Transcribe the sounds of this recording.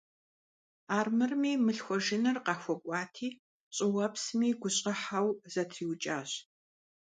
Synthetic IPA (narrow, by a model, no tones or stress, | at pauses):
aːrmɨrmiːmɨɬxʷɔʒɪnɨrqɑːxʷɔkʷʼɑːtʰiː | ɕʼɪwɐpsmiːɡʷʊɕʼɐħawzɐtʰriːwt͡ʃʼaːɕ